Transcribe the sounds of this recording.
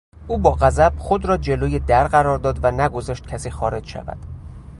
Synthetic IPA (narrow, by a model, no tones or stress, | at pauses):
ʔuːbɒːɣæzæb̥xod̪ɾɒːd͡ʒe̞loːjed̪æɾɢæɾɒːɾd̪ɒːd̪vænæɡo̞zɒːʃt̪̚cʰæsiːxɒːɾe̞d͡ʒʃæ̰væ̰d̪̥